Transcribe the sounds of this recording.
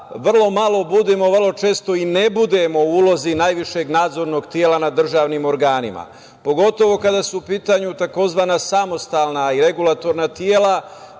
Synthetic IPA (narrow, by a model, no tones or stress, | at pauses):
ʋr̩lˠo̞malˠo̞bud̪emo̞ʋrlˠo̞t͡ʃe̞ːst̪o̞inebud̪e̞mo̞uːlo̞zinajʋiʃe̞ɡnaːd̪zo̞ɾno̞ɡt̪jeːlanad̪r̩ʒaːʋnimo̞ɾɡaːnima̰ | po̞ɡo̞t̪o̞ʋo̞kad̪asuːpiːt̪aɲut̪ako̞zʋaːnasamo̞st̪aːlˠnaiɾe̞ɡulˠat̪o̞ɾnat̪jeːla